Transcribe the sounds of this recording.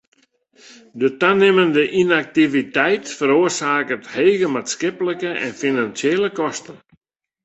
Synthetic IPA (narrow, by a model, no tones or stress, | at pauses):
dətanɪməndəʔinak̚tivitɛjtfəɾoərsaːkətheːɣəmatskɪpləkəɛ̰nfinansjeːləkɔstə